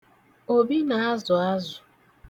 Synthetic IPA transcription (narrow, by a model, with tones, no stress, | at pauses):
o˨bi˦na˨a˦zʊ˨a˦zʊ˨